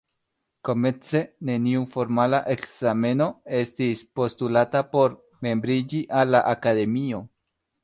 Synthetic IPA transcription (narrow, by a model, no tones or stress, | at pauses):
komet͡seneniufoɾmalaʔeksamenoest̪ispost̪ulat̪apoɾ | membɾiʎiʔalaʔakaðemio